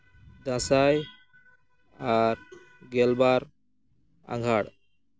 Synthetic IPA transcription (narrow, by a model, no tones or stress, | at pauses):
d̪ãsaj | aɾ | ɡɛlbaɾ | ã̰ŋɡʱaɽ